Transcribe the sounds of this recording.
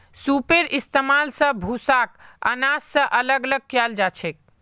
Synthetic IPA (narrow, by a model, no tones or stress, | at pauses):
supeɾist̪emalsə̃bʱusakə̰nasːə̃ʔələɡələɡ̚kjald͡ʒat͡ʃʰɛk̚